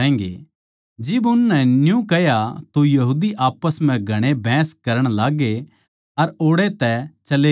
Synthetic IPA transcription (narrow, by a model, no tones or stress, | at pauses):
ɛ̃ːŋɡḛ | d͡ʒɪbʊnːɛnjũkɛjat̪ojɐɦuːd̪iʔaːpəsm̤ɛ̃ɡʱɐɽ̃ebʱɛ̃ːskɐɾəɽ̃laːɡe | ɐɾoːɽet̪ɛt͡ʃɐle